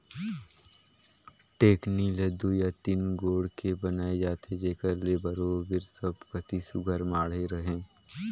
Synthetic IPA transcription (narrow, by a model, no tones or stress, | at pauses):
ʈeːkniləd̪ujat̪inɡoːɽkebənaːed͡ʒaːt̪ʰed͡ʒeːkəɾleːbəɾoːbɪɾsəbkət̪isʊɡʱəɾmaːɽ̤eɾəɦẽː